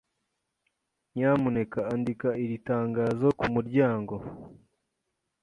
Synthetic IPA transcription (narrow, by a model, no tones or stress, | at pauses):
ɲaːmune̞kaːndikaiɾitaːŋɡaːzo̞kumuɾɟaːŋɡo̞